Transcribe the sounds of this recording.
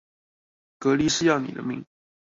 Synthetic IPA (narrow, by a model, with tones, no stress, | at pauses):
kɤ˧˥li˧˥ʂɻ̩˥˧jɑ˥˩ʊnḭ˨˩d̪ə̰˦mḭ˧˦ŋ